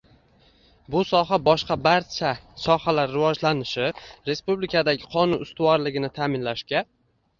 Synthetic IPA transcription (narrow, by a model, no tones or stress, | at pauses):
bʊsɒɦabɒʃqɑbaɾt͡ʃʰasɒhalaɾːɪvɒd͡ʒlanɪʃɪɾe̞spublɪkʰad̪aɡʲɪqʰɒnʊnʊst̪ʊwɒɾlɪɡʲɪnɪt̪ʰaːmɪnlaʃkʲa